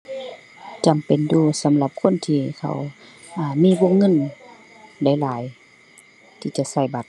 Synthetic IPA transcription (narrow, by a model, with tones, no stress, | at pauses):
t͡ɕa˨mpe˨nduː˧˩sa˨˦mla˧˦p̚kʰo˧˥˨nt̪ʰiː˧kʰa̰˧˨w | ʔaː˧˩miː˧˥˨bo˧˥˨ŋŋɤ˧˥˨n | da˧˩jlaː˨˦j | t̪ʰiː˧˩t͡ɕa˧˨ʔsa˧˩jba˨˧˦t̪̚